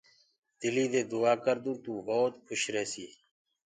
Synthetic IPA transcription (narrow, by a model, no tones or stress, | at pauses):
d̪̥ɪliːd̪eːd̪ʊaːkəɾd̪ũːt̪ũːɦoːt̪̚kʰʊʃɾeːsiː